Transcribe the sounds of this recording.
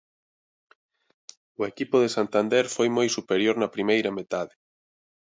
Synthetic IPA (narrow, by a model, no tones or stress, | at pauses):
ʊekipʊðesant̪and̪ɛɾfojmojsupeɾjoɾnɐpɾimejɾɐmet̪aðɪ